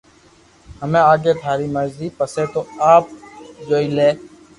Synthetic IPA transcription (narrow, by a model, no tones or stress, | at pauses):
həmẽːaːɡeːt̪ʰaːɾiːməɾziːpəseːt̪oːaːp̚d͡ʒoːiːleː